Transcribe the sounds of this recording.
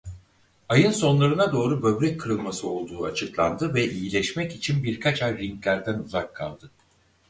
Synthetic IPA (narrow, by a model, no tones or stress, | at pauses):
ajɯnso̞nlˠaɾɯnad̪o̞ːɾubø̞bɾɛc̚ʰːɯɾɯlˠmasɯo̞lˠd̪uːat͡ʃʰɯklˠa̰nd̪ɯvɛʔijilʲɛʃmɛcit͡ʃʰinbiɾkʰat͡ʃajɾiŋklʲæɾd̪ænuzakʰːa̰lˠd̪ɯ